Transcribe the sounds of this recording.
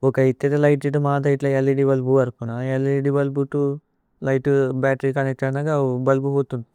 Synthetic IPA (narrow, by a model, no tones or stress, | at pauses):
ɔkɐit̪ːet̪ɐlɐjʈiʈumaːd̪ɐjʈlɐelːiɖibɐlbuʋɐɾkunaeliɖibɐlbuʈu | lɐjʈubaːʈɐɾikɐnek̚ʈɐnɐɡabɐlbuɦoːt̪und̪i